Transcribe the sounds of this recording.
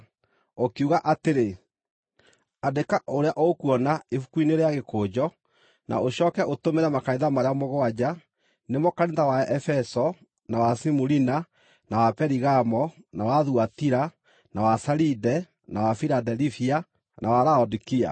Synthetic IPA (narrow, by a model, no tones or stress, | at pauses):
okeuɣaʔateɾe | adekaʔoɾeaʔɔokuɔnaefukuineɾeaɣekoːd͡ʑɔ | na̰oɕɔːkɛʔotomeɾɛmakaiðamaɾeamɔɣɔad͡ʑa | nemɔkaɾeðawaɛfɛsɔ | nawasimuɾina | nawapɛɾiɣamɔ | nawaðuatiɾa | nawasaɾidɛ | nawafiɾadɛlifia | nʔawaɾaɔdikia̰